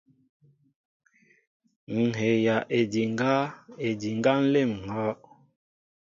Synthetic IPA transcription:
ŋ̩˨ɦe˨ja˨ʔe˨di˨ŋ˦ɡa˦e˨di˨ŋɡa˦n̩˦le˦˨m˨ŋɔ˨˦ʔ

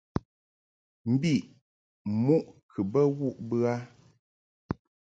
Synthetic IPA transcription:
m̩˦bi˦˨ʔ | mu˦ʔkʰɨ˨bə˦ɣu˦˨ʔbɨ˦a˦

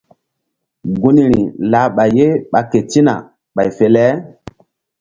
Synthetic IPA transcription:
ɡu˦ni˦ɾi˨la˨˦ɓa˨je˦ɓa˨ke˨ti˦na̰˨ | ɓa˨jfe˨˦lɛ˦

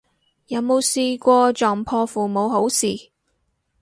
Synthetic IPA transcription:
jɐ˨˧˥wmo˨˧wsiː˧kʷɔː˧t͡ʃɔː˨ŋpʰɔː˧fuː˨mo˨˧wɦo˨˥wsiː˨˩

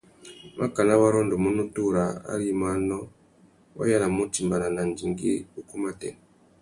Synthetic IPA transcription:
ma̰˦ka˨na˦wa˦ɾɔ˦ndɔ˨mu˦nu˦tu˦ɾa˨a̰˦ɾi˦ma˦nɔ˦ | wa̰˦ja˦la˨mu˦ti˨mba˨na˨na˨n˨d͡ʒi˨ŋɡḭ˦u˦ku˦ma˦tɛ̰˨n˨

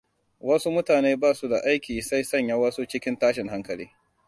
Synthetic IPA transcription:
wɐ˦su˦mʊ˦taː˨neː˦baː˦˨su˦da̰˨ʔa˦jkʲiː˨sa˦jsɐ˦˨ɲja˦wɐ˦su˦t͡ʃɪ˦kʲɪ˦ntaː˦ʃɪ˨ŋɦa˦ŋkɐ˨lḭː˦

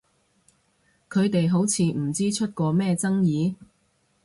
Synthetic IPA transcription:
kʰɵ˨˧ɥt̪e˨jɦo˨˥wt͡sʰiː˨˧m̩˨˩t͡siː˥t͡ʃʰɵ˥t̚kɔː˧mɛː˥˧t͡sɐ˥ŋjiː˨˧

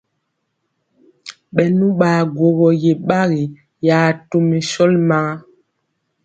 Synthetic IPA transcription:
ɓɛ˨nũ˦ɓa˨ɡwo˨ɣɔ˨je˨ɓa˦ɣi˨ | ja˨tu˨me˨sɔ˦lma˦

